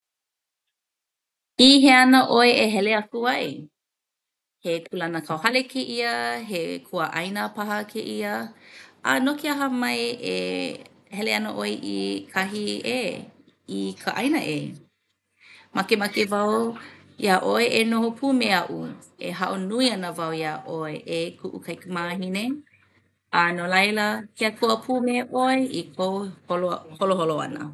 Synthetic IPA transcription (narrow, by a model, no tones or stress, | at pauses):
iɦeanəʔoeʔeɦɛleakuɐʔḛ | hekʰulɐnəkʰawhɐlekʰeʔiəɦekʰuəʔɐjnəpaɦɐkʰeʔiəʔa̰nokiaɦəmɐjḛ | hɛleanəʔoeʔḭkʰaɦiḛ | ikʰəʔajnəʔe | makemakevaw | jaʔoeʔenohopʰuːmeɐʔuḛɦɐʔonuiɐnəvɐwjaʔoeʔekʰuʔṵkʰɐjkəmaɦine | ʔanolɐjləkʰeakʰuəpʰuːmeʔoeʔikʰoholoholoholoa̰nə̰